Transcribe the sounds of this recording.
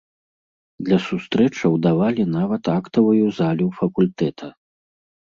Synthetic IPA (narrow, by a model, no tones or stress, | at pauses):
d̪lʲɐsust̪ɾɛt͡ʂɐwd̪avalʲinavɐt̪akt̪ɐvujuzalʲufɐkulʲt̪ɛt̪ʰɐ